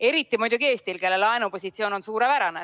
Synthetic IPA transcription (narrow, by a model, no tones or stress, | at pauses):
e̞ɾit̪ːˑimujd̪̥ʲuke̞ːst̪ilke̞lːelɑenupo̞sʲit̪sioːno̞nsuːɾepæɾɑne